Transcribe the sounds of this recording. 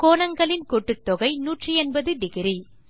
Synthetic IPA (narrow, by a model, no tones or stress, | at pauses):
koːnɐŋɡɐɭɪnkɔʈːɯt̪ːɔɣɐɪnuːʈriɛnbɐðɯɖɪɣɪɾi